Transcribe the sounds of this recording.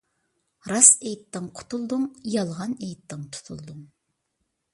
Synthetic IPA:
ɾɑsejt̪ːɨŋqʰʊ̥t̪ʰulˠd̪uŋjɑlˠʁɑnejt̪ːɪŋt̪ʰu̥t̪ʰulˠd̪ʊŋ

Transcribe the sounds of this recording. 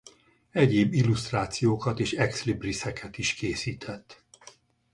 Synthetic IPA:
ɛɟeːbːilːust̪raːt̪sijoːkɒt̪eːʃɛkslibrisɛkʰɛt̪iʃkeːsiːt̪ʰɛt̪ː

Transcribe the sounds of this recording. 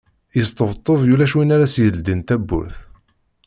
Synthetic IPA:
jəst̪əvt̪ˤːovjulæʃwinæɾæsjəld̪int̪æbːṵθ

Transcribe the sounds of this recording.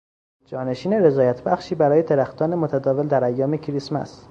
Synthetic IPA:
d͡ʒɒːne̞ʃiːneɾe̞zɒːjæt̪ʰbæxʃiːbæɾɒːje̞t̪ʰeɾæxt̪ɒːnemot̪ʰæd̪ɒːve̞ld̪æɾæjːɒːme̞cʰɾismæ̰s

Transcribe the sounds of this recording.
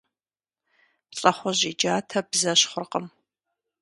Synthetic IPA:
ɬʼɐχʷɔʑid͡ʒaːtʰɐbzɐɕχʷʊrqəm

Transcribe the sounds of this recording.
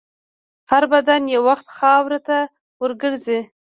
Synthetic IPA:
haɾbad̪anjawaxt̪xɑwɾat̪a | wəɾɡəɾzi

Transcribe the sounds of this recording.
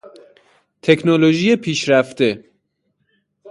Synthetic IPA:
t̪ʰe̞kʰnoloʒiːjepʰiːʃɾæft̪e̞

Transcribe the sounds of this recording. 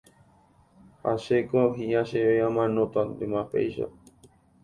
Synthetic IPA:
aʃekoɦiaʃeʋeamãnõt̪and̪emapḛjʃa̰

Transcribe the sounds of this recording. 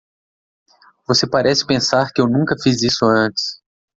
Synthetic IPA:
vosepaɾɛsɪ̥pẽsaɾkɪewnũŋkɐfizisʊɐ̃nt͡ʃɪ̥s

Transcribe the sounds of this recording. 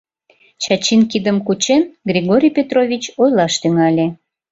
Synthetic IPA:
t͡ɕɑt͡ɕinkid̪əmkut͡ɕenɡrʲiɣoɾʲijpʲet̪rovʲit͡ɕojlɑʃt̪yŋɑlʲe

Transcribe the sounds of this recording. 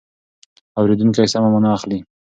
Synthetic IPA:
awɾed̪unk̬ajsamamʊnaaxli

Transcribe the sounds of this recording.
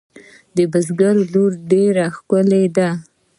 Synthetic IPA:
d̪əbazɡaɾloɾɖeɾaxkʊled̪a

